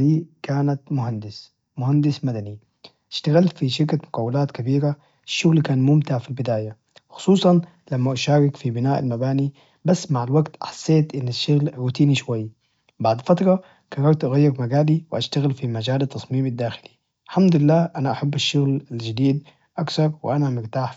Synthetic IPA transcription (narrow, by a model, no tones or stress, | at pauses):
iːkaːnat̪mʊhand̪ɪs | mʊhand̪ɪsmad̪ani | ʔaʃt̪aɣɪlfiʃɪɾkamʊkawːalaːt̪kabiːɾa | ɪʃːʊɣlkaːnmʊmt̪ɪʕfilbɪd̪aːja | xʊ̥sˤuːsˤɑn | lamːaʔaʃaːɾɪkfibɪnaːʔa̰lmabaːni | basːmaʕalwaɡt̪ʔaħḁsːeːt̪ʔɪnːaʃːʊɣlʕuːt̪iːniʃwajː | baʕd̪fat̪ɾˤɑ | kɑɾˤːɑɾt̪ʔaɣajːɪɾmaɡaːliwɪʔaʃt̪aɣɪlfimad͡ʒaːlɑt̪ːɑsˤmiːmad̪ːaːxɪli | ħamd̪ɪlːaːʔanaʔaħabːaʃːʊɣlald͡ʒad̪iːd̪ | ʔaksɑɾˤwɪ̰ʔanamɪɾt̪aːħ